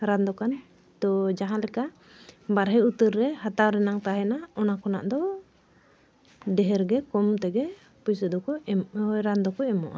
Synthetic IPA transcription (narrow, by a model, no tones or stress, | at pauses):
ɾand̪ɔkan | t̪ɔd͡ʒaɦãlɛka | baɾɦɛut̪əɾːɛhat̪awɾɛnaŋt̪aɦɛnaɔnakɔna̰ʔd̪ɔ | ɖɛɦɛɾɡɛkɔmt̪ɛɡɛ | pujsəd̪ɔkɔɾand̪ɔkɔɛmɔ̰ʔa